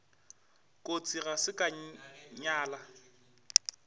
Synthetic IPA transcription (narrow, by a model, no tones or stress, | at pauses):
kʼot͡sʼiɣasɪkʼaɲaːla